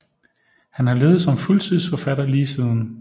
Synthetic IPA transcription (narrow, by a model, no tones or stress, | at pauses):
hænhɑ̈le̝ːð̩ˠsɒ̽mfult͡sʰið̰ˠsfɒ̽fæd̥ɐliːsið̰ˠn̩